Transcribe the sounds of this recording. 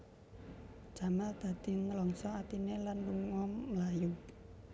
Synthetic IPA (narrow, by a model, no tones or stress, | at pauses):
d͡ʒ̥a̤mald̪̥ä̤d̪̥i̤nəlɔŋsɔat̪inelanluŋɔmːlaju